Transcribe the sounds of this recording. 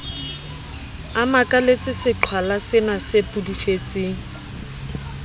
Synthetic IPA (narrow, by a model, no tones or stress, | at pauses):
amakʼalet͡sʼɪsɪt͡ɬʰwalasɪnasepʼudufet͡sʼɪŋ̩